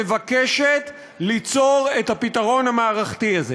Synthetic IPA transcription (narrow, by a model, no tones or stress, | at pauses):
evakeʃet | lit͡so̞ʁethapitaʁo̞nhamaːʁaχtiazḛ